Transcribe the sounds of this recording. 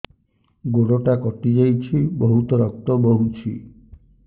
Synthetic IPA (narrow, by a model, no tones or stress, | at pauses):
ɡoɽoʈakɔʈid͡ʒajt͡ʃʰibɔɦut̪ɔɾɔk̚t̪ɔbɔɦut͡ʃʰi